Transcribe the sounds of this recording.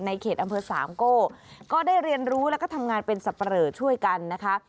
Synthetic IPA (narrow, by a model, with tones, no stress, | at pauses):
na˧jkʰeː˨˩t̪̚ʔa˧mpʰɤː˧saː˩˦mkoː˥˩kɔː˥˩daː˥˩jɾi˧ənɾuː˦˥lɛ˦˥kɔː˥˩t̪ʰa˧mŋaː˧npe˧nsa˨˩pːa˧ɾɤː˨˩t̪̚t͡ɕʰu˥˩əjka˧nːa˦˥kʰa˦˥